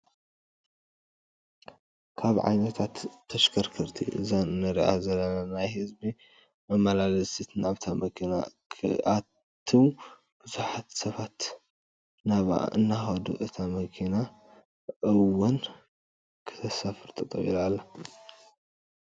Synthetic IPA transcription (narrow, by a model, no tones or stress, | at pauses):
kʰaβʕa̰jnɐt̪ʰat̪ʰːɐʃkʰɐɾkʰɐɾt̪ʰḭʔɨ̰zanɨnɐɾiʔa̰zɐlːɐnanajhɨzbi | mɐmalalɐsit̪naβt̪ʰamɐkʰina̰kʰʔa | t̪ʰːiw | b̥ɨzuħat̪sɐβat̪ | naβa̰ʔɨnːaxɐd̪ṵʔɨt̪ʰamɐkʰina | ʔɨwʊn | kʰɨ̥t̪ʰɐsafɨɾt̪ʼɨt̪ʼɐ̰ḭlalːɐ